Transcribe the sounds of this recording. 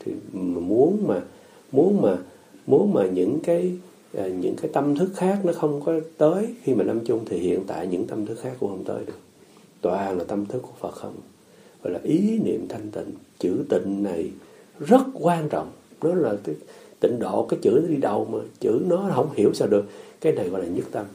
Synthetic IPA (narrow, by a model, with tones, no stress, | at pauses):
t̪ʰi˨˩˨mu˨˦ənmaː˨˩ | mu˨˦ənmaː˨˩ | mu˨˦ənmaː˨˩ɲɨ̰˧˥ŋkaː˨˦j | ʔːɲɨ̰˧˥ŋkaː˨˦jt̪ə˧mt̪ʰɨ˦˥k̚xaː˦˥k̚nɔ˨˦xə˧wŋ͡mkɔ˨˦t̪əː˨˦jxi˧maː˨lə˧mt͡ɕʊ˧ŋ͡mt̪ʰi˨˩hḭ˧˨ənt̪a̰ː˧˨jɲɨ̰˧˥ŋt̪ə˧mt̪ʰɨ˦˥k̚xaː˦˥kːu˧˥əhə˧wŋ͡mt̪ə̰ː˨˦jɗɨ˨˩ək̚ | t̪wa̰ː˧˨˩ŋlaː˨˩t̪ə˧mt̪ʰɨ˦˥kːu˧˩əfə˨˩t̚xə̰˧wŋ͡m | vɔ̰˧˩jlaː˨˩ʔi˨˦nḭ˧˨əmt̪ʰa˧jŋ̟t̪ḭ˧˨ŋ̟t͡ɕɨ̰˧˩t̪ḭ̈˧˨ŋ̟na˨˩j | zə˦˥t̚kwaː˧nt͡ɕɔ̰˧˨wŋ͡mnɔ˨˦laː˨˩kaː˨˦jt̪ḭ̈˧˨ŋ̟ɗo̰˧˨kaː˨˦jt͡ɕɨ̰˧˩nɔ˨˦ɗi˧ɗə˨˩wmaː˨˩t͡ɕɨ̰˧˥nɔ˨˦ɦə̰˧˥wŋ͡mhi˧˩əwsaː˧ɗɨ˨˩ək̚kːaː˨˦jna˨˩jɣɔ̰˧˨jlaː˨˩ɲɨ˦˥k̚t̪ə˧m